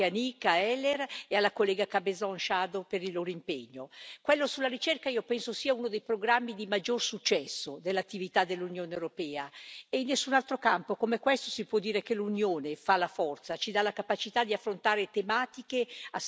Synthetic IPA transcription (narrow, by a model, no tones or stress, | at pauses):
anikaɛlːerealːakolːɛːɡakabezɔnʃad̪opeɾilːoːɾoimpeɲːokwɛlːosulːaɾit͡ʃerkaiopɛnsosiːaunod̪ejpɾoɡɾamːid̪imad͡ʒːorsut͡ʃːɛsːod̪elːat̪ːivit̪ad̪elːunjoːnewɾopɛːaeinːesːunalt̪ɾokampokomekwɛst̪osipwɔd̪ːiːɾekelunjoːnefalafɔrt̪sat͡ʃid̪alakapat͡ʃit̪ad̪iafːɾont̪aːɾet̪emaːt̪ikea